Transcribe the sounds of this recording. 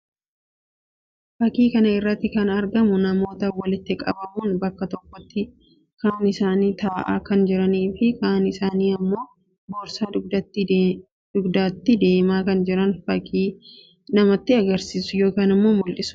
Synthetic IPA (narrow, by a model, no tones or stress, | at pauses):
fɐkiːkɐnɐɪrːɐt̪ːɪkɐnɐɾɡɐmʊnɐmo̞ːt̪ɐwɐlɪt̪ːɪkʼɐ̰bɐmuːnbɐkːɐt̪ɔkːɔt̪ːɪ | kaːnɪsaːniːt̪aːʔa̰ːkɐnd͡ʒɪɾɐniːfɪkaːnɪsaːniːɐmːo̞ː | boːɾsaːd̪d̪ɐt̪ːɪ | d̪̥ʊɡd̪aːt̪ːɪd̪e̞ːmaːkɐnd͡ʒɪɾɐnfɐkiː | nɐmɐt̪ːɪɐɡɐɾsiːsʊjo̞ːkaːnɪmːo̞ːmʊlʔɪsʊ